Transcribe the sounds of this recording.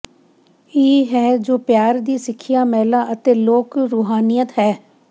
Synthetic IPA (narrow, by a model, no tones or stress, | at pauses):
eːɦɛːd͡ʒoːpjaːɾd̪iːsɪkʰːɪjaːmɛːlaːʔət̪eːloːkɾuːɦaːnijət̪ɦɛː